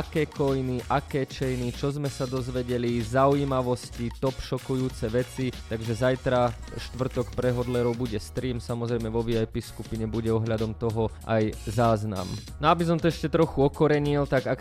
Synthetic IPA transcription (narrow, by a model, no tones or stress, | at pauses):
akɛːkɔjniʔakɛːt͡ʃɛjnit͡ʃɔzmɛsad̪ɔzʋɛɟɛlizauiːmaʋɔscit̪ɔpʃɔkujuːt͡sɛʋɛt͡sit̪aɡʒɛzajt̪ɾaʃt̪ʋr̩t̪ɔkpɾɛɦɔd̪lɛɾɔʊbuɟɛst̪ɾiːmsamɔzɾɛjmɛʋɔʋiajpiskupiɲɛbuɟɛɔɦʎad̪ɔmt̪ɔɦɔ | a̰jzaːzna̰mnɔabis̬ɔmt̪ɔɛʃcɛt̪ɾɔxuɔkɔɾɛɲilt̪aɡak